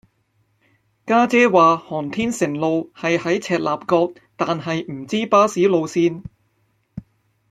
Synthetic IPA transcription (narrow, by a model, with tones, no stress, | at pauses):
kaː˥t͡sɛː˥waː˨hɔː˨˩nt̪ʰiː˥nsɪ˨˩ŋlo˨˧whɐ˨jhɐ˨˥jt͡sʰɛː˨˧t̚laː˨p̚kɔː˧k̚ | t̪aː˨nɦɐ˨jm̩˨˩t͡siː˥paː˥siː˨˥lo˨˧wsiː˥n